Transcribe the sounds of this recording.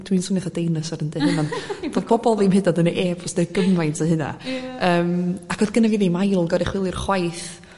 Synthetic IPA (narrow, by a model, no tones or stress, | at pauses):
d̥winsənɛθadejnəsɔɾəndɛhɨnɔnvoːðpʰɔbɔlˠimhɪdadənʔeːbʰɔsdɛɡəmlajntʰaɦɨna̰əːmakʰɔðɡənaviːðimajlˠɡɔɾɪχwɪlˠɪrχwajθ